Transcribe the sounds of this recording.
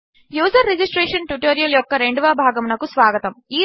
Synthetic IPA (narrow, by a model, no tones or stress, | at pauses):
juːsɐɾːed͡ʒisʈɾeːʂɐnʈjuʈoːɾijɐljɔkːɐɾeɳɖuʋaːbʱaːɡɐmnɐkusʋaːɡɐt̪ɐmiː